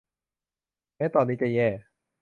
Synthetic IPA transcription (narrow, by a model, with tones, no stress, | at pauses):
ʔɛː˦˥˨t̪ɔː˧nːiː˦˥˩t͡ɕa˨jɛː˧˩